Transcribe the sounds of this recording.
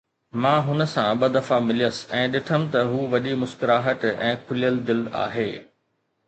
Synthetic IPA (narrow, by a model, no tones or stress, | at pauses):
mãːɦʊnə̆sãɓɐd̪ɐfamɪlijəsɪ̥̆ɛ̃ːɗɪʈʰəmɪ̆t̪ɐɦuːʋɐɗimʊskɪɾaːɦət̪ɛ̰̃ːkʰʊlijəld̪ɪla̰ːɦeː